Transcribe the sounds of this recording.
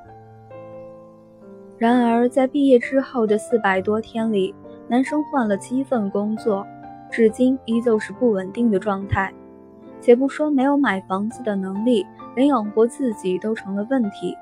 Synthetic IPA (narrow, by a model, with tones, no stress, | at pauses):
ɻa˧˥nə˞˧˥t͡sa˥˧ɪpi˥˧jɛ˥˩ʈ͡ʂɻ̩˥xo˥˩ʊd̪ə˩sɹ̩˥˩pa˨˩ɪt̪wɔ˥t̪ʰjɛ˥nli˨˩˦na˧˥nʂɤ˥ŋxwa˥˩nlə˩t͡ɕʰi˥fə˥˩nkʊ˥ŋt͡swɔ˥˩ | ʈ͡ʂɻ̩˥˩t͡ɕi˥ni˥t͡ɕjo˥˧ʊʂɻ̩˥˧pu˥˩wə˨˩nt̪i˥˩ŋd̪ə˩ʈ͡ʂwɑ˥˧ŋt̪ʰa˥˩ɪ | t͡ɕʰjɛ˨˩p̬u˥˩ʂwɔ˥me˧˥ɪjo˧˥ʊma˨˩ɪfɑ˧˥ŋt͡sɹ̩˧˩d̪ə˩nɤ˧˥ŋli˥˩ɻə˧˥njɑ˨˩ŋkwɔ˧˥t͡sɹ̩˥˩t͡ɕi˨˩t̪o˥ʊʈ͡ʂʰɤ˧˥ŋlə˧wə˥˩nt̪ʰi˧˥